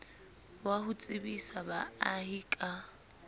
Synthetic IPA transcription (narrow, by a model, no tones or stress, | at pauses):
wahʊt͡sʼɪbisabaaɦikʼa